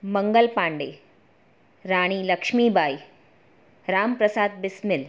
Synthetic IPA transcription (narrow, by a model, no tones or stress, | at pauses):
mɐŋɡəlpãːɳɖeː | ɾaːɽ̃iːlɐkʂmiːbʱaːi | ɾaːmpɾɐsaːd̪̚bɪsmɪl